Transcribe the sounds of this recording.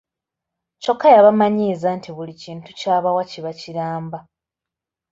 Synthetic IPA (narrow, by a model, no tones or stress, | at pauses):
co̞kʰːajaβamaɲiːzantʰiβuliciːntucaːβawaciβaciɾaːmba